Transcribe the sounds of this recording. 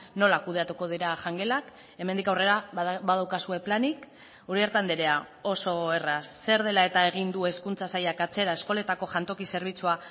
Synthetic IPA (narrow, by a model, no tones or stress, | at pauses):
no̞lakuðe̞at̪uko̞ð̞iɾaʝaŋɡe̞lak | e̞me̞nd̪ikawre̞ɾaβaðawkasue̞planik | uɾie̞ɾt̪and̪eɾe̞a | o̞so̞e̞rasːe̞ɾð̞e̞lae̞t̪ae̞ɣ̞ind̪ue̞skunt͡sasajakat͡se̞ɾae̞sko̞le̞t̪ako̞ʝant̪o̞kise̞ɾβ̞it͡sua